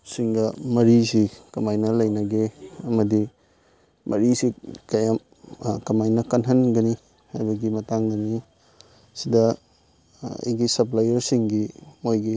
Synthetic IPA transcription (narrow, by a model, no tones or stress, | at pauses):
siŋdɐmɐɾisikɐmajnɐlɐjnɐɡeɐmɐdi | mʔɐɾisikɐjam | kɐmajnɐkɐnɦɐnɡɐni | hajbɐɡimɐtaŋɡɐni | sidɐ | ɐ̰jɡisɐplajɐɾsiŋɡimojɡi